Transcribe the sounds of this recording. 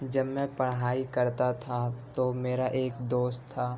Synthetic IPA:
d͡ʒɐbmɛ̃pɐɽ̃ɦaːikɐɾt̪at̪ʰat̪omeːɾaʔeːkd̪oːst̪ʰːaː

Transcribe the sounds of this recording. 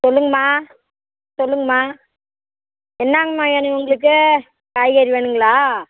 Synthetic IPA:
sɔlːɯŋɡɐmaː | sɔlːɯŋɡɐmaː | ɛnːaːŋɡɐmãːɛnɯʊŋɡɐɭɯk̬ːɯ | kaːjɣaːɾiʋeːɳɯŋɡɐɭaː

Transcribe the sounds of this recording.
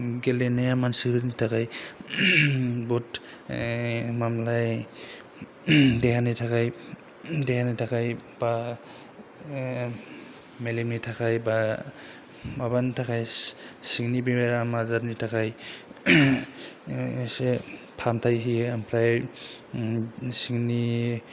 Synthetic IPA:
ɡɛlɛnɛjamansiɾɯnitʰakaj | but | mamlaj | dɛkanitʰakaj | dɛkanitʰakajba | melimnitʰakʰajba | mabantʰakʰajsiŋnibimeɾamazaɾnitʰakaj | se | pʰamtʰajɦiampʰɾaj | siŋni

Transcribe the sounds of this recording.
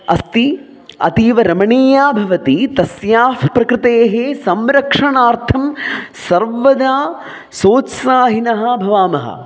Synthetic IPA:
ɐ̰st̪i | ɐ̰t̪iːʋɐɾɐmɐɳiːjaːbʱɐʋɐt̪it̪ɐsjaːfpɾɐkɾɪt̪eːɦesɐmɾɐkʂɐɳaːɾt̪ʰɐmsɐɾʋɐd̪aː | soːt̪saːɦinɐɦɐ̆bʱɐʋaːmɐɦɐ̰

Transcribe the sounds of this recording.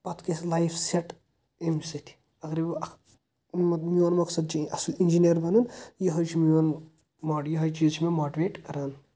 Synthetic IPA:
pɐt̪keslajpʰseʈ | emsɐt̪ʰi̥ | ɐɡɾib | mmioːnmɐksɐd̪̚t͡ʃiɐsulind͡ʒinijɐɾbɐnunjɐɦɐt͡ʃʰimion | maːjɐɦɐt͡ʃizt͡ʃʰimemaːʈiʋeːʈkɐɾaːn

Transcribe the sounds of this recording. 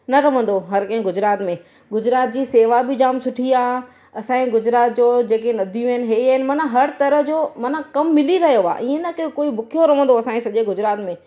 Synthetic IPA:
nɐɾɐʋə̃nd̪oɦɐɾkɐ̃ɦɪ̃ɡʊd͡ʑɾaːt̪mẽ | ɡʊd͡ʑɾaːt̪̚d͡ʑiːseːʋabɪd͡ʑaːmsʊʈʰiaː | ɐsãĩɡʊd͡ʑɾaːt̪̚d͡ʑoːd͡ʑeːkenɐd̪ʱijũɪnɪ̆ɦeːiəɦɪnɪmɐnəɦɐɾt̪ɐɾəɦd͡ʑoːmɐnəkɐmːɪliɾɐɦijoa̰ːʔiːẽnɐkɐkoːibʊkʰijoɾɐʋə̃nd̪oɐsãːĩsɐʄeɡʊd͡ʑɾaːt̪mẽː

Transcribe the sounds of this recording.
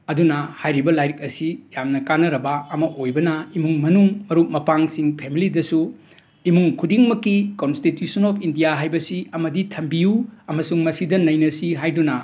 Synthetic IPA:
ɐdunɐhajɾibɐlajɾik̚ɐsijamnɐkanːɐɾɐbɐɐmɐʔojbɐnɐimuŋmɐnuŋmɐɾuk̚mɐpaŋsiŋpʰemilidɐsu | imuŋkʰudiŋmɐkːikonstitjusɐnɔpʰindijaɦajbɐsiɐmɐditʰɐmbijuɐmɐsuŋmɐsidɐnɐjnɐsiɦajdunɐ

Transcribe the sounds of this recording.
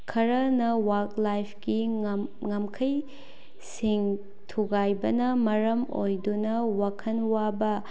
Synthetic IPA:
kʰɐɾɐnɐwaklajpʰkiŋamkʰɐj | siŋ | tʰuɡajbɐnɐmɐɾɐmo̰jdunɐwakʰɐnwabɐ

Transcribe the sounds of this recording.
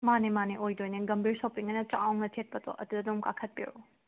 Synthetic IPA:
manemaniʔojdojninɡɐmbiɾsowpiŋɐnɐt͡ʃawŋnɐtʰet̚pɐtʰɔ̰ʔɐdudɐdumkakʰɐt̚pḛɾṵ

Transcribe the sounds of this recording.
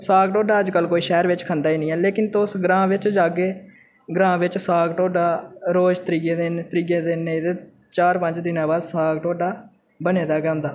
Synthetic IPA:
saːɡʈoːɖaːəd͡ʒkəlkoːiːʃɛːɾʋɪt͡ʃkʰənd̪aːiːnĩːɛːleːkɪnt̪ʊsɡɾãːʋɪt͡ʃd͡ʒaːɡeː | ɡɾãːʋɪt͡ʃsaːɡʈoːɖaːɾoːd͡ʒt̪əɾiːɡeːd̪eːnt̪əɾiːɡeːd̪eːned̪eː | t͡ʃaːɾpə̃ɲd͡ʒd̪ɪnãːbaːd̪saːɡʈoːɖaː | bəneːd̪aːɡɛ̃ːnd̪aː

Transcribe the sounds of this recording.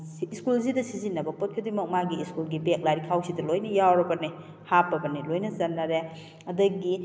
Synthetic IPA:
skulzidɐsizinːɐbɐpɔt̚kʰidimɐk̚maɡiːskulɡibek̚laɾikʰawsidɐlojnɐjawɾɐbɐni | hapːɐbɐnilojnɐzɐnːɐɾe | ɐdɐɡi

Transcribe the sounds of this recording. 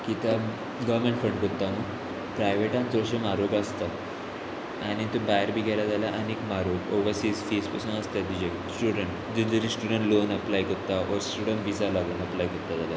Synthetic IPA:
kit̪a | ɡɔʋmẽɳʈfəɳɖkot̪ːamə | pɾajʋeʈãnt͡sɔɕemaɾobast̪a | añit̪ubajəɾbikɛlad͡zalaʔanikmaɾoboʋəɾsiːsfispəsuːnast̪ad̪id͡ʑe | sʈuɽəɳʈ | d̪ud̪əɾisʈuɽəɳʈlonəplajkəɾt̪aʔɔɾsʈuɽəɳʈʋisalaɡunəplajkɔɾt̪ːad͡zala

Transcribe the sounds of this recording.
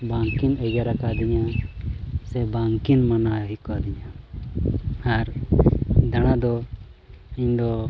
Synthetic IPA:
baŋkinɛd͡ʒaɾakad̪iɲa | sɛbaŋkinmanaɦikɔad̪iɲa | aɾ | d̪aɽ̃ad̪ɔ | iɲd̪ɔ

